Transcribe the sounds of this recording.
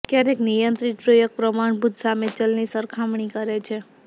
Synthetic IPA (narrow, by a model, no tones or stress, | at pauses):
kjaɾeknijənt̪ɾit̪̚pɾəjoɡ̚pɾəmaɳbʱut̪samet͡ʃəlnisəɾkʰamɳikəɾet͡ʃʰe